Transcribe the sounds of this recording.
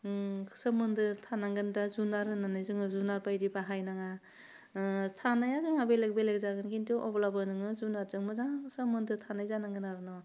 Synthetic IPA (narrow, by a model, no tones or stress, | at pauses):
kʰsɯmɯndɯtʰanaŋɡɯndazunaɾɯnanɯjzɯŋɯzunaɾpajɾibaɦajnaŋa | tʰanajazɯŋabelek̚belek̚zaɡɯnkintiʔɔblabɯnɯŋɯzunaɾzɯŋmɯzasɯmɯndɯtʰanajzanaŋɡɯnaɾɯnɔ